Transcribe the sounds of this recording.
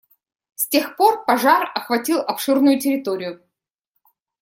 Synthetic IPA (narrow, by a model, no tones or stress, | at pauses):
sʲtʲe̞xpo̞rpɐʐarɐxvɐtʲilˠɐpʂɨrnʊjʊtʲɪɾʲɪt̪o̞ɾʲɪjʊ